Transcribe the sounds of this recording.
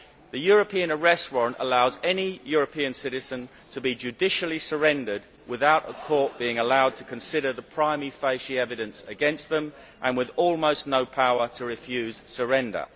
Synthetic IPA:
ðəjɔːɹəpʰĩə̃nəɹɛstwʌ̃nə̰laʊzɛnijɔɹəpʰĩə̃nsɪɾɪzə̃n | tʰəbid͡ʒʉdɪʃl̩ˠisə˞ɛ̃ndəd̚ | wɪðaʊɾə̰kʰɔɹʔ̚b̥iɪ̃ŋəlaʊd̚tʰəkʰə̃nsɪɾəðəpʰɹ̥ãɪmifeɪʃiɛvɨɾə̃nsəɡɛ̃ns̚ðə̃m | ʔə̃nwɪðɔːlˠməʊsⁿnəʊpʰaʊətʰəɹɪfjʉːz̥səɹɛ̃ndə̰

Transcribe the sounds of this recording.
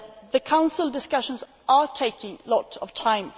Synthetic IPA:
ðəkʰãʊ̃nsəl̩ˠdɪskʌʃə̃nz | ʔətʰeɪkɪ̃ŋlɔtəv̥tʰãɪ̃m

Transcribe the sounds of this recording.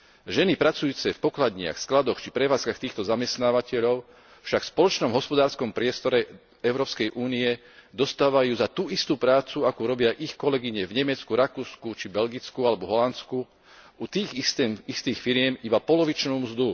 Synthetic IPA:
ʒɛnipɾat͡sujuːt͡sɛfpɔklad̪ɲɪa̰xsklad̪ɔxt͡ʃipɾɛʋaːt͡skaxt̪iːxt̪ɔzamɛst̪naːʋacɛʎɔʊ | fʃakfspɔlɔt͡ʃnɔmɦɔspɔd̪aːɾskɔmpɾɪɛst̪ɔɾɛ | ɛʊɾɔːpskɛjʔuːniɛ | d̪ɔst̪aːʋajuːzat̪uːist̪uːpɾaːt͡suakuːɾɔbɪaʔixkɔlɛɡiɲɛvɲɛmɛt͡skuɾakuːskut͡ʃibɛlɡit͡skualɛbɔɦɔlant͡sku | ut̪iːɣɛist̪iːxfiɾɪɛmibapɔlɔʋit͡ʃnuːmzd̪u

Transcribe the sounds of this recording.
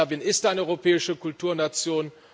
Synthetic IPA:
ɐvinɪstʔaɪnəɔʏʁopʰɛːɪʃəkʊltʰuːɐnat͡sjoːn

